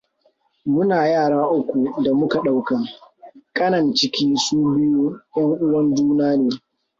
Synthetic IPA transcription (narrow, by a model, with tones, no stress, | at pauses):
mʊ˦naː˨jaː˦˨ɽaː˦ʔʊ˦kʷu˨da˨mʊ˦ka˨ɗa˦wka˨kʼɐ˦nɐ˨nt͡ʃɪ˦kʲiː˦suː˦bɪ˦ju˦jɐ˦ŋʔʊ˦wɐ˦nd͡ʒuː˦naː˦neː˨